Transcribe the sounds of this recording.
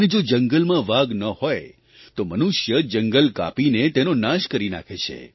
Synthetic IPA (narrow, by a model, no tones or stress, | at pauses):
əned͡ʒod͡ʒəŋɡəlmãʋaɡnəhoj | t̪omənuʃjəd͡ʒəŋɡəlka̰pinet̪enonaʃkəɾina̰kʰet͡ʃʰḛ